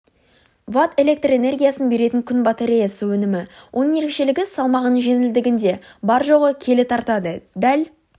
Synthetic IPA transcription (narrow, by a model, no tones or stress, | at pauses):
vat̪e̞le̞k̚t̪re̞ne̞rɡʲijasənbe̞ɾe̞t̪ɪŋkʲʰʏnbɑt̪eɾʲijasəwɵnɪmɪwʔo̞nəɴe̞ɾe̞kʃe̞lɪɡʲɪsɑlˠmɑʁənəɴʒe̞nɪld̪ɪɡʲɪnd̪e̞bɑɾʒo̞ʁəkʲʰe̞lɪt̪ʰɑɾt̪ɑd̪əd̪æl